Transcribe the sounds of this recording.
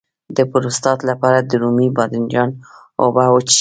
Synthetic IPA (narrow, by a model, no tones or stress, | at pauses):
d̪əpʊɾost̪ɑt̪lapɑɾad̪əɾumibɑd̪ɪnd͡ʒɑn | o̰bawət͡ʃ